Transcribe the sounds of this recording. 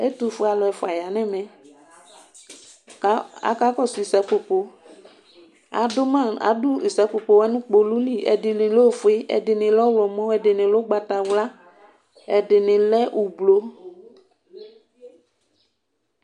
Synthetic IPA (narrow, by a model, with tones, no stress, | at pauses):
e˦t̪u˦˨fo˦a˨lɔ˨ɛ˨fo˨a˨ja˨nɛ̃˦mɛ̃˨˦ | a̰˦ka˦kɔ˦su˨i˨sɛ˨po˨po˨ | a̰˨do˦mã˦˨a̰˨du˦i˨sɛ˨˦po˨po˨wɛ˦nũ˦k͡po˨lu˦li˦ɛ̰˨dɪ˨lɪ̃˨lo˦˨fe˦ʔɛ̰˨dɪ˨nɪ̃˨lɔ˦wɔ˨mɔ̃˦ɛ˨dɪ˨nɪ̃˨lo˦ɡ͡ba˨t̪a˨wla˦ | ɛ˨dɪ˨nɪ̃˨lɛ˦ʔu˨blo˦